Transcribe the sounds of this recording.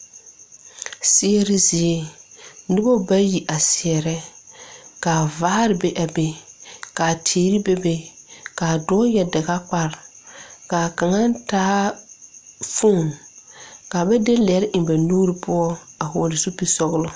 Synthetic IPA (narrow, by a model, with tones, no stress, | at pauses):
sɪ˦ɛ˦ɾɪ˦zɪ˨e˦nʊ˦bo˦ba˦ji˨ʔa˨sɪ˨ɛ˨ɾɛ˦ | kaː˨vaː˦ɾɪ˨be˦ʔa˨be˨ka˨tʰeː˨˦ɾi˦be˦be˦kaː˨dɔ˦jɛ˨dɪ˨ɣa˦k͡pa˦ɾ | kaː˨ka˨ŋa˦n˦taː˦ | fo˦˨n | ka˨bɛ˦de˦lɪ˨ɛ˨˦ɾɪ˦ʔɪ˨mba˨nuː˦ɾɪ˦pʊ˦ɔ˦a˨ɦʊː˨lɪ˨su˦pi˦sɔ˦ɣlʊ˦